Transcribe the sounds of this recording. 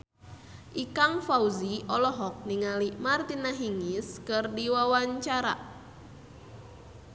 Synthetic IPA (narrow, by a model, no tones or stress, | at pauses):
ʔikaŋfauziʔɔlɔɦɔk̚niŋalimart̪inaɦiŋiskɨrdiwawaɲt͡ʃaɾa̰